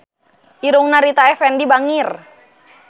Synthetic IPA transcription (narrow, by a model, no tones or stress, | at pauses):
ʔiɾuŋnaɾit̪aɛfɛndibaŋir